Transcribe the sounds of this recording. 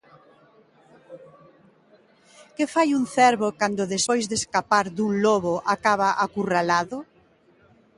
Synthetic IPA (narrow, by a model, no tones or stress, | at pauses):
kɪfajuŋθɛɾβokand̪ʊðespojzðeskapaɾðuŋloβoʔakaβaʔakuralaðʊ